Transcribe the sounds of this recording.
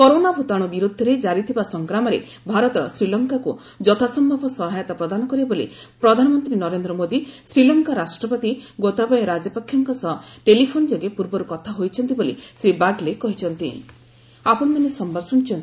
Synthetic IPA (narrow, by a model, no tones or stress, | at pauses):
kɔɾonabʱut̪aɽ̃ubiɾud̪ʱːɔɾed͡ʒaɾit̪ʰibasɔŋkɾamɔɾḛ | bʱaɾɔt̪ɔsɾilɔŋkaku | d͡ʒɔt̪ʰasɔmbʱɔbʱɔsɔɦajɔt̪apɾɔd̪anɔkɔɾibolḭpɾɔd̪ʱanɔmɔnt̪ɾinɔɾend̪ɾɔmod̪isɾilɔŋkaɾasʈɾɔpɔt̪iɡot̪abɔjɔɾad͡ʒɔpɔkʰːjɔŋkɔsɔɦɔʈelipʰonɔd͡ʒɔɡepuɾbɔɾukɔt̪ʰaɦojt͡ʃʰɔnt̪ibolḭsɾibaɡlekɔɦit͡ʃʰɔnt̪ḭ | apɔnmanesɔmbʱɔɾsunt͡ʃʰɔnt̪